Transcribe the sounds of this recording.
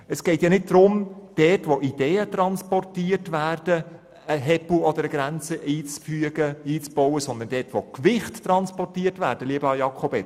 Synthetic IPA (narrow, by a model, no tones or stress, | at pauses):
əsɡ̥ɛɪtjɑnɪt̚d̥̪ɾʊmd̥ɛtʋoʔid̥eːət̪ɾɑnspɔrtiːərtʋæːrd̥ə | əɦɛpl̩ɔd̪əɾəɡɾænt͡səʔiːt͡sfyəɡəiːt͡sb̥ɔwəsɔnd̪əndɛtʋokʋɪχttːɾɑnspɔrtiːtʋæ̰ːɾd̥əliəbəɑjɑkʰobɛ